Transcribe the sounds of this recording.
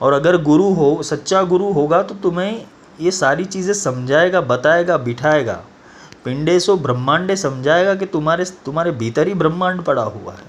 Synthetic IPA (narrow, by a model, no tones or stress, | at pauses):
ɔːɾɐɡəɾɡʊɾuɦosɐtːʃaɡʊɾuɦoːɡat̪ot̪ʊmɦẽ | jesaːɾit͡ʃiːzẽsɐmd͡ʒʱaːeːɡabɐt̪aːeːɡabɪʈʰaːeːɡa̰ː | pɪ̃ɳɖesobɾə̃mːãːɳɖẽsɐmd͡ʒʱaːeɡak̬it̪ʊmaːɾet̪ʊmaːɾebʱiːt̪əɾibɾəmːãːɳɖpɐɽa̰ɦṵa̰ɦɛː